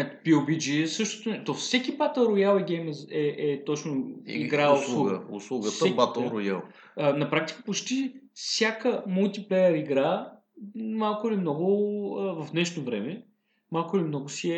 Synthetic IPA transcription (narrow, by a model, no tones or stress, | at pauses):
ɛt̪piobid͡ʒiɛsɤʃt̪o̥t̪ʊnɛt̪ofsɛkʲibat̪əlˠɾʊjalˠɛɡʲɛjmɛzɛʔɛt̪ɔt͡ʃnoiɡɾaɡəʊ̰slˠuɡət̪əɛbat̪ˠɾʊja̰lˠ | ənɐpɾak̚t̪i̥kə̥pot͡ʃt̪ifsʲjakəmulˠt̪iplɛjəɾiɡɾa | malˠkʊlimnɔɡʊəvɐvd̪nɛʃnovɾɛmɛ | malˠkʊlimnɔɡʊsiɛ